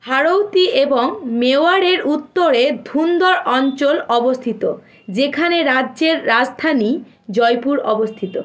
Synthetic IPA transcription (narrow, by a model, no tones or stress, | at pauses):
haɾowt̪ieboŋmeoaɽeɾut̪ːoɾed̪ʱund̪ɔɾɔnt͡ɕolɔbost̪ʰit̪o | d͡ʑekʰaneɾadːd͡ʑeɾːad͡ʑd̪ʰʱani | d͡ʑɔjpuɾɔbost̪ʰit̪o